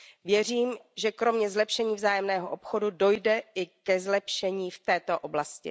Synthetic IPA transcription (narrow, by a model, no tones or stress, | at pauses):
vjɛr̝iːmʒɛkɾo̞mɲɛzlɛpʃɛɲiːvzaːjɛmnɛːɦoʔo̞pxo̞dudo̞jdɛɪkɛzlɛpʃɛɲiːft̪ɛːt̪oʔo̞blascɪ̰